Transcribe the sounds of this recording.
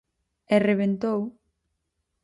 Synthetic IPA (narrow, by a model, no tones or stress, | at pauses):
ɛreβ̞ent̪ow